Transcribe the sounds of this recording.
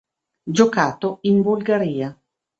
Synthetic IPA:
d͡ʒokaːt̪oinbulɡaɾiːa

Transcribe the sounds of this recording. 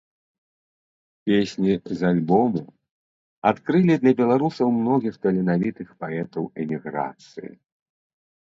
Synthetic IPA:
pʲesʲnʲizalʲbɔmu | at̪kɾɨlʲid̪lʲɐbʲɛlˠaɾusɐwmnɔɣʲixt̪ɐlʲɛnavʲit̪ɨxpaɛt̪ɐwɛmʲiɣɾa̰t̪sɨ̰jḭ

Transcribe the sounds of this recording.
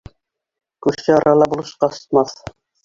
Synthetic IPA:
kʉɾʃɘɑɾʔɑlˠɑbulˠɤ̆ʃqɑsŏ̥t̪̚mɑθ

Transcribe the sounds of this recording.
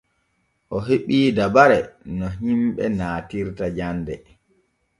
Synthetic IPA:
ʔɔɦeɓiːdabaɾɛnɔɦimɓɛnaːtiɾtad͡ʒandɛ

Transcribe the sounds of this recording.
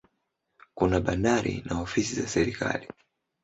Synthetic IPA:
kunaɓandaɾḭnaɔfisizasɛɾika̰li

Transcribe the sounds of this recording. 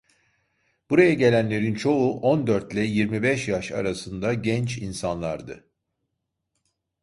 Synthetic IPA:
b̥uɾajaɟe̞lʲænlʲe̞ɾint͡ʃʰo̞uʔo̞nd̪ø̞ɾt̪lʲɛjiɾmibɛʃjaʃa̰ɾasɯnd̪aɟɛnt͡ʃinsanlˠaɾd̪ɯ̰

